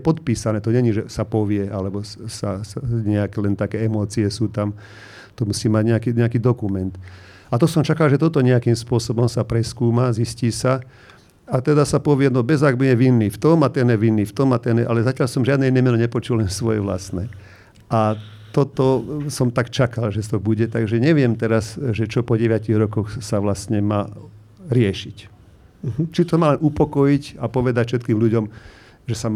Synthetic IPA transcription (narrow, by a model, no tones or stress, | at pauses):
ɛpɔt̪piːsanɛːt̪ɔɲɛɲiʒɛsapɔʋɪɛʔalɛbɔsasɲɛakɛlɛnt̪akɛːɛmɔːt͡siɛsuːt̪am | t̪ɔmusiːmaɟɲɛakiːɲɛakiːd̪ɔkumɛnt̪ | at̪ɔsɔmt͡ʃakalʒɛt̪ɔt̪ɔɲɛakiːmspʊɔsɔbɔmsapɾɛskuːmazisciːsa | at̪ɛd̪asapɔʋɪɛnɔbɛzaɡbiɛʋinːift̪ɔmat̪ɛnjɛʋinːift̪ɔmat̪ɛnjɛʔalɛzacjalsɔmʒɪad̪nɛinɛmɛnɔɲɛpɔt͡ʃulɛnsʋɔjɛ̰ʋla̰snɛː | ʔa | t̪ɔt̪ɔsɔmt̪akt͡ʃakalʒɛst̪ɔbuɟɛt̪aɡʒɛɲɛʋɪɛmt̪ɛɾazʒɛt͡ʃɔpɔɟɛʋaciɣɾɔkɔxsaʋlast̪ɲɛmaː | ɾɪɛʃic | t͡ʃit̪ɔmaːlɛnupɔkɔjicapɔʋɛd̪acfʃɛt̪kiːmʎuɟɔm | ʒɛsa